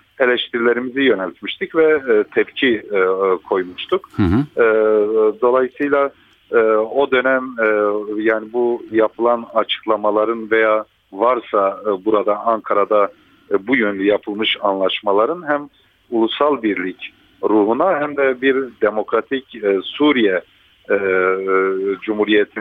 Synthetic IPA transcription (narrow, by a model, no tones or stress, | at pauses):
e̞lʲɛʃt̪ʰiɾilʲeɾimizijø̞nɛlʲt̪miʃt̪ʰicvɛt̪ʰɛpcʰikʰo̞jmuʃt̪ʰukː | d̪o̞lˠajɯsɯjlʲˠa | o̞d̪ø̞næm | jaːnibujapʰɯlˠanat͡ʃʰɯ̥klˠamalˠaɾɯnvejaː | vaɾsabuɾad̪aʔaŋkʰaɾad̪a | bujønlʲyjapʰɯlˠmɯʃanlˠaʃmalˠaɾɯnɦæm | ulˠusalˠbiɾlʲic | ɾuːɦunahæmd̪ɛbiɾd̪emo̞kɾat̪ʰicːsuɾijɛ | d͡ʒumhuɾijet̪ʰi